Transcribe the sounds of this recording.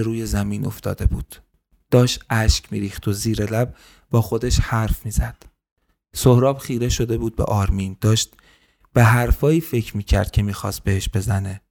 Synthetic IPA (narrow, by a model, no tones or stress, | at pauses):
ɾuːje̞zæmiːnʔo̞̰ft̪ɒ̰ːd̪e̞buːd̪̥ː | ɒːʃt̪æʃcmḭːɾiːxt̪o̞ziːɾelæb̚ | bɒːxo̞d̪e̞ʃhæɾfmiːz̥æd̪̥ | sohɾɒːb̥xiːɾe̞ʃo̞d̪e̞buːd̪̚bḛʔɒːɾmiːnd̪̥ɒːʃt̪ | b̥e̞ɦæɾfɒːjiːfe̞cʰɾmiːcʰæ̰ɾd̪̥̚kcʰe̞miːxɒ̰ːst̪̚be̞he̞ʃb̥e̞zæne̞